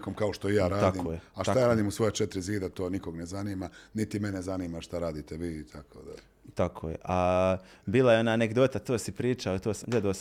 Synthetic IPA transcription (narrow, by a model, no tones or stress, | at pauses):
komkaoʃt̪oijaːɾaːad̪iːkmoːjeaʃt̪aajaːɾaːd̪iːmusʋo̞jet͡ʃet̪ɾiziːd̪at̪oːnikoɡnezaniːmanit̪imenezaniːmaʃt̪aɾaːd̪iːt̪eʋiːt̪ʰakʰo̰d̪a̰ | t̪akʰoːjeʔa | biːlajeo̞naːneɡd̪o̞ːt̪at̪oːsipɾiːt͡ʃaot̪oːsɡle̞d̪aos